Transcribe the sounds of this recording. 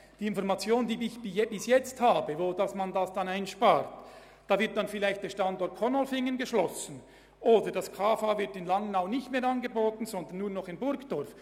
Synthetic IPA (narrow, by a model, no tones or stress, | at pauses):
d̥iːɪnfɔɾmɑt͡sjoːndiːɪçb̥ijɛbɪsjɛt͡sthaːbəvoːdɑsmɑndɑsd̥ɑnaɪnʃpaːt | d̥ɑːvɪɐt̚d̥ɑnfɪlaɪçtd̥eːɐʃtɑndɔɾt̚kʰɔnɔlfɪŋənɡəʃlɔsn̩ | ʔoːdəd̥ɑskʰaːfaːvɪɾtɪnlɑŋənaʊnɪçtmeːɾɑnɡəboːtn̩zɔndənːuːɐnɔχɪnbʊɾkd̥ɔɾf